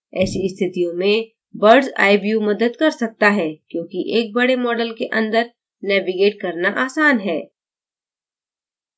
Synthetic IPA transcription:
ɛːsiɪst̪ʰɪt̪ijõmẽ | bɐɾɖza̰ːɪbijumɐd̪əd̪kɐɾsɐk̚t̪aɦɛːkjõːkiʔeːk̚bɐɽemɔːɖəlkeʔɐ̃nd̪əɾ | nɛːʋiɡeːʈ̚kɐɾnaʔaːsaːnɦɛː

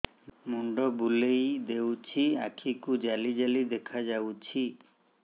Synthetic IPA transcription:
muɳɖɔbulejd̪ewt͡ɕʰia̰kʰikud͡ʒalid͡ʒalid̪ekʰad͡ʒawt͡ɕʰi

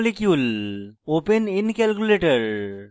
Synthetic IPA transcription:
lekjuloːpeninkɛlkjuleːʈəɾ

